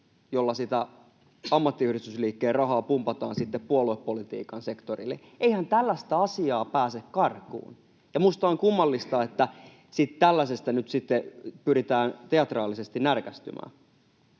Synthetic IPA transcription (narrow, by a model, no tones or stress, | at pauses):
jolːɑsit̪æ | ɑmːɑt̪ːiyhrit̪ysliːkːeːrɑɦɑːpumpɑt̪ɑ̰ːnsit̪ːeppuolueppolit̪ḭːkɑnse̞kt̪orilːḛ | eihænt̪ælːæst̪æɑsiɑːpæːsekkɑrkṵːn | jɑmust̪ɑoŋkumːɑlːist̪ɑet̪ːæ | sit̪t̪ælːæsest̪ænyt̪sit̪ːepyɾit̪æːnt̪eɑt̪rɑːlːˑisest̪innærkæst̪y̰mʔæ̰ːn